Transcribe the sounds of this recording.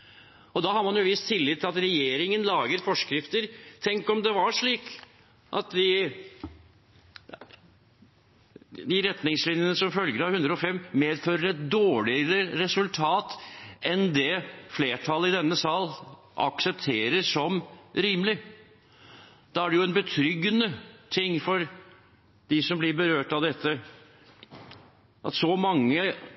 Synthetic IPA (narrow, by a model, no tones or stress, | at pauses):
ɔd̪ɑɦɑɾmɑnjʊʋɪst̪ʰːɪlːɪt̪ʰːɪlɑt̪ɾɛjeːɾɪŋənlɑːɡəɾfɔʂkɾɪft̪əɾt̪ʰɛŋkɔmd̪ɛʋɑʂɭiːk | ʔɑ̰t̪d̪ɪ | d̪ɪɾɛt̪nɪŋslɪnjənəsɔmfœlɡəɾɑhʉnd̪ɾəɔfɛmːmeːd̪føːɾəɾɛt̪̚d̪oːɭɪəɾəɾɛsʉlt̪ʰɑːt̪ɛnd̪ɛfleːʈʰɑləɪd̪ɛnːəsɑl | ʔɑ̰ksɛp̚t̪ʰeːɾəsɔmɾiːməlɪ | d̪̥ɑæɖɛjʊɛnbət̪ʰɾʏɡːənət̪ʰɪŋːfɔɾ | d̪̥ɪsɔmblɪɾbəɾøːʈɑʋd̪ɛt̪ʰːə | ʔɑ̰t̪sɔmɑŋːə